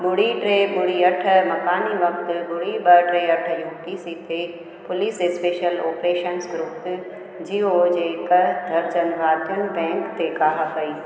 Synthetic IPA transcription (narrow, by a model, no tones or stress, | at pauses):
bʊɽiʈɾeːbʊɽiɐʈʰə̆mɐkaːniʋɐkt̪bʊɽiɓɐʈɾeːɐʈ̆ʰjuːʈisiːt̪ʰe | pʊlisespeːʃəloːpɾeːʃənsɡɾʊp | d͡ʑiːoːd͡ʑeːkɐd̪ʱɐɾd͡ʒɐnʋaːt̪jũːbɛ̃ːŋkt̪ekaːɦɐfɐiː